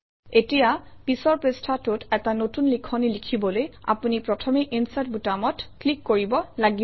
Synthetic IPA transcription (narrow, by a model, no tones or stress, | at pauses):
etijapisɔɹpestʰatʊtɛtanotunlikʰɔnilikʰibɔloja̰punipɹɔtʰɔmeʔinsat̚butamɔtklikːoɹibɔlaɡi